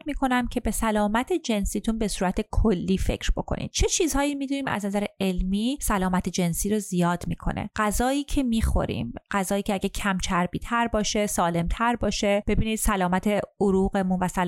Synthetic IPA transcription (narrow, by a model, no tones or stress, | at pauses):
miːkʰo̞næmcʰe̞be̞sælɒːmæt̪ʰed͡ʒe̞nsiːt̪ʰunbe̞suːɾæt̪ʰe̞kʰolːiːfe̞̰cʰɾbo̞̰kʰo̰nḭd̪̥t͡ʃʰe̞t͡ʃʰiːzhɒːjimiːd̪uːniːmæ̰znæzæɾee̞lmiːsælɒːmæt̪ʰe̞d͡ʒe̞nsiːɾozijɒːd̪̥miːkʰo̞̰nʔḛɢ̥æzɒːjiːcʰe̞miːxo̰ɾḭːmɢ̥æzɒːjiːcʰeæɟecʰæmt͡ʃʰæɾbiːt̪ʰæɾbɒːʃe̞sɒːle̞mt̪ʰæɾbɒːʃe̞b̥e̞biːniːd̪̥sælɒːmæt̪ʰe̞oɾuːɣe̞munvæsæl